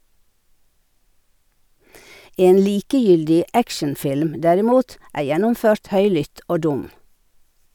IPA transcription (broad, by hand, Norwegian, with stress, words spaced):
ˈeːn ˈliːkəˌjʏldɪ ˈækʃənˌfɪlm ˈdæɾɪˌmuːt ˈæː ˈjɛnʊmˌføːɾt ˈhœʏlʏt ˈoː ˈdʊm